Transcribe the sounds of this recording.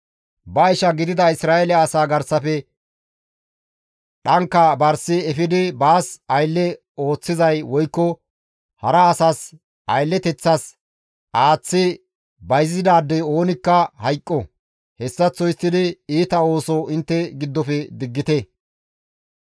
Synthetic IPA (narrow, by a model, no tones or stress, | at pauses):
bɐɪʃɐɡɪd̪ɪd̪ɐɪsɾaːɛlɛɐːsaːɡɐɾsːɐfɛ | ɗɐŋkːɐbɐɾsɪɛfɪd̪ɪbaːsɐjlːɛ | o̞ːt͡sːɪzɐjwɔjkːɔ | hɐɾɐːsaːs | ʔɐjlːɛt̪ɛt͡sːɐs | ʔaːt͡sːɪ | bɐjzːɪd̪aːd̪ːɛo̞ːnɪkːɐhɐjkʼːɔ | hɛsːɐt͡sːɔjɪsːɪd̪ɪiːt̪ɐo̞ːsɔʔɪnt̪ːɛɡɪd̪ːɔfɛd̪ɪɡːɪt̪ɛ